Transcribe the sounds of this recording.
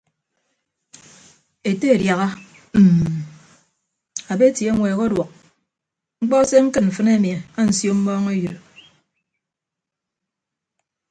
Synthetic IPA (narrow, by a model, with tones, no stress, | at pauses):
e˨te˦e˨dja˨ɣa˦˨ | a˨be˦tje˨˦ŋʷeː˨ɣo˦dwɔ˨k̚ | ŋ͡m̩˦k͡pɔ˦se˦ŋ̩˦kɨ˦tm̩˨fɨ˦ne˦mi˨a˨a˦n̩˨sjo˦m̩˦mɔː˦ŋe˦ju˨ɾ